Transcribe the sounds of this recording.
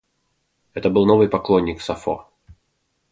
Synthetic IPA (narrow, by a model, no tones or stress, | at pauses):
ɛt̪əbɨlˠno̞vɨjpɐklˠonʲːɪksɐfo̰